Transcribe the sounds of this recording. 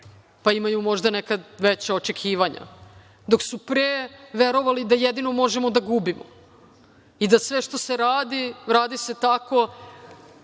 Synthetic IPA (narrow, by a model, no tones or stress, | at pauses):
paimajumo̞ʒd̪anekad̪ʋet͡ɕaot͡ʃekʰiːʋaɲa̰ | d̪o̞ksupɾeːʋeɾo̞ʋalid̪ajed̪ino̞mo̞ʒemo̞d̪aɡubimo̰ | id̪asʋe̞ʃt̪o̞se̞ɾaːd̪iɾaːd̪ise̞t̪ako̞